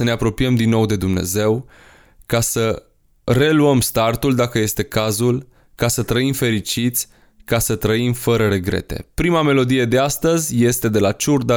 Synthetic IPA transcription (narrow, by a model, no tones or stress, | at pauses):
əne̞apɾo̞piəmd̪inːo̞wd̪e̞d̪umne̞̰ze̞w | kasə | re̞luəmst̪art̪uld̪akəje̞st̪e̞kazul | kasət̪ɾəimfe̞ɾit͡ʃit̪sʲ | kasət̪ɾəimfəɾəɾe̞ɡɾe̞̰t̪e̞̰pɾimame̞lo̞d̪ije̞d̪e̞ast̪əzʲje̞st̪e̞d̪e̞lat͡ʃurd̪a